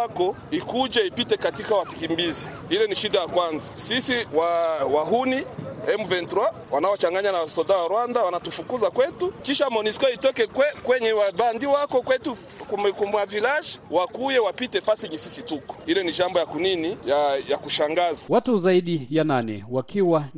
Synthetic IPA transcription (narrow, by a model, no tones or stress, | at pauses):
akɔikud͡ʒaipitɛkatikawatikimbizi | hilɛniʃidajakwanzasisiwawaɦuniɛmuvɛntɾwa | wanaɔt͡ʃaŋɡaɲanasɔdawaɾwandawanatufukuzakwɛtukiʃamɔniskɔitɔkɛkɛkwɛɲɛwaɓandiwakɔkwɛtu | kumɛkumavilaʃwakujɛwapitɛfasiɲisisitukɔ̥hilɛnid͡ʒambɔjakuninijajakuʃaŋɡazḁwatuzaiɗijananɛ̰wakiwa